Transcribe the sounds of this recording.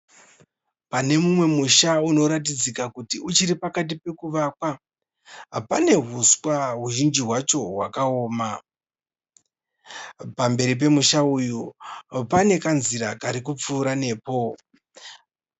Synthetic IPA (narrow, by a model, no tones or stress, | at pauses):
pane̞mumwe̞muʃauno̞ɾat̬id͡zikakutiʔut͡ʃiɾipakat̬ipe̞kuʋakwa | pane̞ɦuswaɦuʒind͡ʒiɦwat͡ʃo̞wa̰kaoːma | pambe̞ɾip̬e̞muʃaujupane̞kanziɾakaɾik̬up͡fuːɾane̞ːpo̞